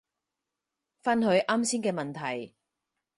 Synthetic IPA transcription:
fɐ˥nhɵ˨˧ɥʔaː˥msiː˥nkɛː˧mɐ˨nt̪ʰɐ˨˩j

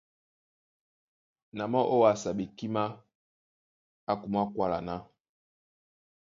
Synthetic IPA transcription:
na˨mɔ˦ʔo˦wa˨sa˨ɓe˨ki˦ma˦ | a˦ku˨m˦a˦kwa˦la̰˨na˦

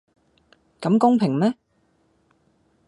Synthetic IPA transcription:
kɐ˨˥mkʊ˥ŋpʰɪ˨˩ŋmɛː˦˥

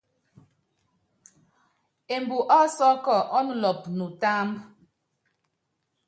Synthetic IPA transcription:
e˨mbu˨ʔɔ˦sɔ˦kɔ˦˨ʔɔ˦n˨lɔ˨p̚nu˨taː˦m

